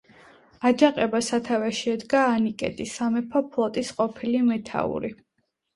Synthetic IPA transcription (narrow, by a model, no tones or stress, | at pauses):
ad͡ʒaqʼɛbasat̪ʰavɛʃɛd̪ɡaːnikʼɛ̰t̪ʼisamɛpʰɔpʰlˠɔt̪ʼisqʼɔpʰilimɛt̪ʰa̰ṵɾi